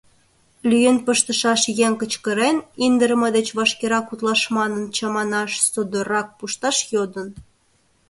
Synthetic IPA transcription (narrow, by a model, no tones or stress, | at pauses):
lyjənpəʃt̪ə̆ʃɑʃjeŋkət͡ɕkəɾenind̪əɾəmɤd̪et͡ɕβɑʃkeɾɑkut̪lɑʃmɑnənt͡ɕɑmɑnɑʃsod̪orɑk̚puʃt̪ɑʃjod̪ən